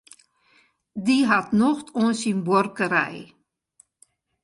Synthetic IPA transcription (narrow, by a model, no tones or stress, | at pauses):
diɦatnɔxtʰɔnsinbɔrkəɾɛ̰j